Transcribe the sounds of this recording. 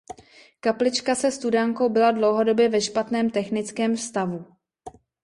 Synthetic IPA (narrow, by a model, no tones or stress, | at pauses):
kaplɪt͡ʃkasɛst̪udaŋkowbɪladlo̞wɦo̞do̞bjɛvɛʃpat̪nɛːmt̪ɛxnɪt͡skɛːmfst̪avu